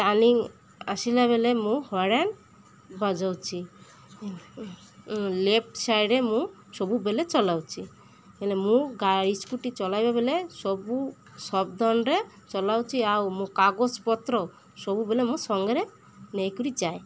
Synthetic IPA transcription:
ʈaliŋ | a̰silaβelemũhɔɽan | bɔd͡ʒawt͡ʃʰi | lep̚sajɾemũ | sɔbubelet͡ʃɔlawt͡ʃʰi | elemũɡaɾiskuʈit͡ʃɔlajbabelesɔbu | sɔbd̪ʱɔnɾe | t͡ʃɔlawt͡ʃʰiawmũkaɡospɔt̪ɾɔ | sɔbubelemũsɔŋɡɾe | nɛjkɔɾid͡ʒae

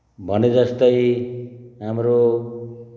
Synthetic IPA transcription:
bʱʌned͡zʌst̪ʌj | ɦamɾo

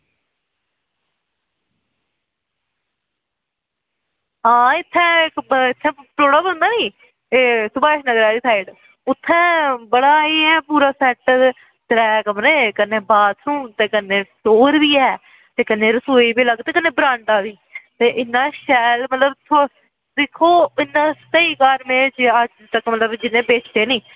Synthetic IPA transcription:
ɦãːɪt̪ʰːɛ̃ːkɪt̪ʰːɛ̃ːʈ̪oːɽaːbənd̪aːniː | esʊbaːɪʃnəɡɾaːɾiːt̪ʰaːiɖ | ʊt̪ʰːɛ̃ːbəɽaːeːɛːpuːɾaːsɛːʈ | t̪ɾɛːkəmɾẽːkənːeːbaːt̪sũːt̪eːkənːeːsoːɾʋiːɛː | t̪eːkənːeːɾəsoːiːbiːləɡt̪eːkənːẽːbɾãːɳʈaːʋiː | t̪eːʔɪnːaːʃɛːlmət̪ləbt̪ʰo | d̪ekʰːoːɪnːãːsəiːkaːɾmẽːt͡ʃəd͡ʒt̪əkmət̪ləbd͡ʒɪnːẽːbeːt͡ʃt̪eːniː

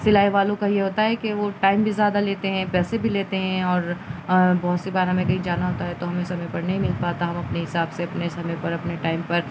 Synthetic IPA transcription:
sɪlaːiʋaːlõkajeɦoːt̪aɦɛkeʋoʈaːɪmbʱizjaːd̪aleːt̪eɦɛ̃pɛːsebʱileːt̪eɦɛ̃ɔːɾ | bɔɦʊt̪sibaːɾɦɐmẽkɐɦĩd͡ʒaːnaɦoːt̪aɦɛt̪oɦɐmẽsɐmə̃pɐɾnɐɦĩmɪlpaːt̪aɦɐmɐpneɦɪsaːbseɐpnesɐmɛ̃pɐɾɐpneʈaːɪmpɐɾ

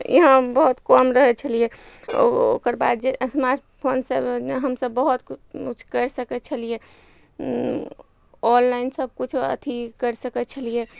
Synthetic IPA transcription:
ḭɦãbəɦut̪kɔmɾəɦɛt͡ʃʰəlije | o̰o̰kəɾba̰d̪̚d͡ʒesmaɾʈ | pʰoːnsəbɦəmsəbːəɦut̪ut͡ʃʰkəɾsəkɛt͡ʃʰəlije | ɔllaɪnsəb̚ʱkut͡ʃʰə̰t̪ʰikəɾsəkɛt̪t͡ʃʰəlije

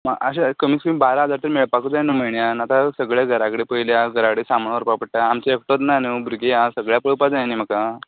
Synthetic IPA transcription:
maəɕekəmiːskəmibaɾaɦəd͡zaɾt̪əɾmeɭpakud͡zajnumeɳjanat̪asəɡɭjaɡʱəɾakəɽepəiljaɡʱəɾakɽesamənʋəɾpapəʈʈaːmt͡ɕeekʈot̪nanubuɾɡejasəɡɭjapəɭpad͡zajanim̤əka

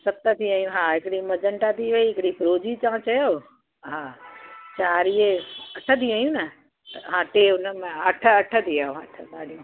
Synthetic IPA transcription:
sɐt̪ət̪ʰiaːjũɦaɪkɪɽimɐd͡ʒəɳʈat̪ʰiʋɐiɦɪkɽipɾoːd͡ʑit͡ɕãːt͡ɕɐjo | ɦa | t͡ɕaːɾieɐʈʰət̪ʰiaːjũnɐ | t̪ɦãːʈeʊnəmẽɐʈʰəɐʈʰət̪iaːõɦa̰ːʈʰəsaːɽiũ

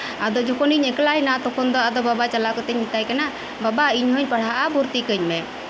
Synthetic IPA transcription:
ad̪ɔd͡ʒɔkɔniɲɛklajnat̪ɔkʰɔnd̪ɔad̪ɔbabat͡ʃalakɔt̪ɛɲmit̪ajkana | babaiɲɦɔɲpaɽ̤aʔabuɾt̪ikəɲmɛ

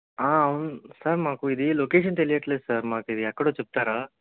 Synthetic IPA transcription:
aːɐʋunusaɾmaːkuid̪ilokeːʂ̬ɐnt̪elijɐʈleːd̪saːɾmaːkuid̪iɛkːɐɽoːt͡ʃep̚t̪aːɾaː

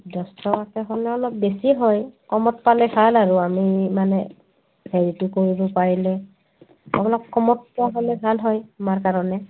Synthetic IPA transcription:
dɔstɔkakɛɦɔlɛɔlɔp̚besiɦɔjkɔmɔtpalɛbʱalaɹʊamimanɛ | bʰʱeɹitʊkoɹibɔpaɹilɛ | ɔbɔlɔkkɔmɔttaɦɔlɛbʱalɦɔjamaɹkaɹɔnɛ

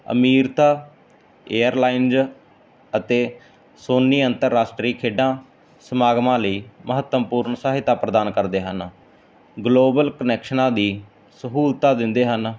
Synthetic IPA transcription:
ə̰miːɾt̪aː | eːəɾlaːinz | ət̪eː | soːnːiːənt̪əɾːaːsʈɾiːkʰeːɖãː | səmaːɡmãːləiːməɦət̪ːəmpuːɾɳsaːɦɪt̪aːpɾəd̪aːnkəɾd̪eːɦən | ɡloːbəlkənɛːkʃnãːd̪iː | səɦuːlt̪aːd̪ɪnd̪eːɦən

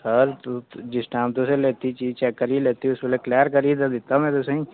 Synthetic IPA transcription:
səɾt̪ud͡ʒɪsʈãːmt̪oseleːt̪it͡ʃit͡ʃɛːkːəɾileːt̪iʊsmeleklɛəɾkəɾid̪ad̪ɪt̪amẽt̪osə̃ĩ

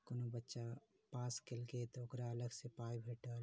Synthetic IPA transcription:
konobətːʃa | paːskelket̪oʊkɾaɐləɡsepaːjbʱeːʈəl

